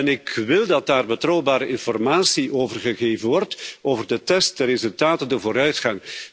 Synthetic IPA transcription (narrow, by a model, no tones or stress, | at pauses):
ɛnɪkʋɪlˠdɑt̚daːrbətrɔwbaːɾəɪnfɔrmaːsiʔoːvərɣəɣeːvənʋɔrtoːvərdətɛst̚dərezɵlˠtaːtəndəvoːɾœɥtxɑŋ